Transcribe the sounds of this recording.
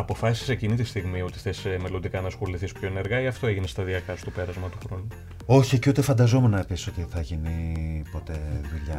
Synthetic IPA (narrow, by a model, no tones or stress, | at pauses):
ɐpo̞fɐsisi̥se̞cinit̪ist̪iɣmio̞t̪i̥θe̞sme̞lo̞nd̪ikɐnɐsxoliθispço̞ene̞ɾɣɐiɐft̪o̞eʝinest̪ɐðiɐkɐst̪ope̞ɾɐzmɐt̪uxɾo̞nu | o̞çieciut̪efɐnd̪ɐzomenɐepisi̥so̞t̪iθɐʝinipo̞t̪e̞ðuʎɐ